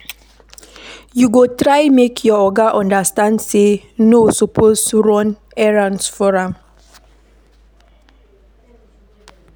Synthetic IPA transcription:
juɡotɹajmekʰjɔɔɡaʔɔ̃ndastãnse | nosɔpʰosɹɔ̃n | ɛɹãnsfɔɹãm

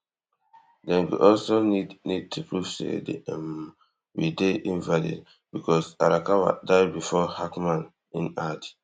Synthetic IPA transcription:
dɛ̃nwḭʔɔlsonidnid̚tʰupɹuv̥sḛdm | wideʔĩnvalḭd | b̥ikʰɔsa̰ɾakawa̰daɪdbifɔhakmãn | ĩnat

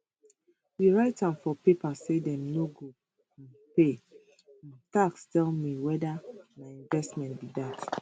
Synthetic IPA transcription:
wiɹaɪtãmfɔpepasedɛ̃mnoɡõ | n | pe | ãntakstɛlmiwɛdamaɪĩnvɛstmɛ̃ntbidat

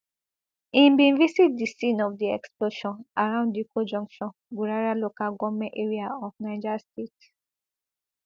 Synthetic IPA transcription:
ĩbĩnvisit̚disĩnɔfdiɛksploʃɔ̃naɹãʊ̃ndikod͡ʒɔ̃ŋkʃɔ̃n | ɡuɹaɹalokaɡɔmɛ̃ʔeɹiaɔfnaɪd͡ʒastet

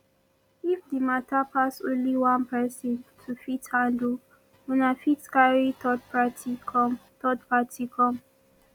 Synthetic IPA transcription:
ifdimatʰapʰasõnliwãnpɛsɔ̃ntʰufithãnd | unafitskaɹitɔdpʰatikɔmtʰɔdpʰatʰikʰɔ̃m

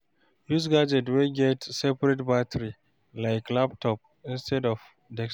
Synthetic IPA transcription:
jus̬ɡad͡ʒɛtweɡɛtsɛpɹɛtbatʰəɹi | laɪklaptʰɔp̚ | ɪ̃nstʰɛdɔf | dɛks

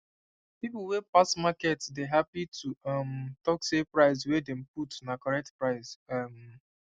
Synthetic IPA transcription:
pipl̩wepasmakɛtsdeɦapitʰuɔmtɔksepɹaɪs̬wedem̩putnakɔɹɛk̚tpɹaɪsam

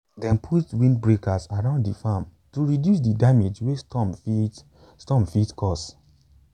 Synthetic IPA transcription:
dɛ̃npʰutwĩndbɹekasaɹãʊ̃ndifamtuɹidjus̬didamed͡ʒwestɔmfi | stɔ̃mfitkʰɔs

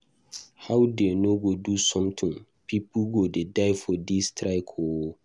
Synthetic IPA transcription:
hawdenoɡodusɔ̃mtʰɪ̃ŋ | pʰipʰoɡodedaɪfɔdistʰɾaɪkʰo

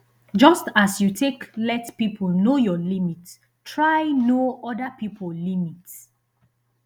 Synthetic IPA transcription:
d͡ʒʌstasjutʰeklɛtpipʰɔlnojɔlimit | tʰɹajnoɔdapipʰəlimit

